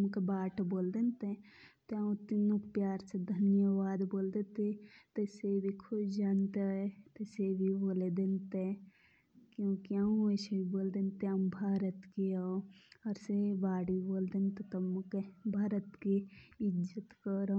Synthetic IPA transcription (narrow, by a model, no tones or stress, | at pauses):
mkebaːʈboːld̪ent̪e | t̪eãt̪inũkpjaːɾsed̪ʱɐnjəʋaːd̪boːld̪et̪et̪esebʱikʰʊd͡ʒaːnt̪eet̪ɐsebʱiboːled̪ent̪e | kjõːkiãesebʱiboːld̪ent̪eɐmbʱaːɾət̪kiaoɐɾsebaːɽiboːld̪ent̪et̪ɐmkebʱaːɾət̪kiɪd͡ʒət̪kəɾ